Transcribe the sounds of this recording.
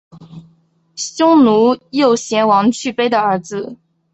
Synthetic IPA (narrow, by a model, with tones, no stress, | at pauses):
ɕʊ˥ŋnu˧˥jo˥˩ʊɕjɛ˧˥nwɑ˧˥ŋt͡ɕʰy˥˩pe˥ɪd̪ə˨ə˞˧˥d͡zɹ̩˧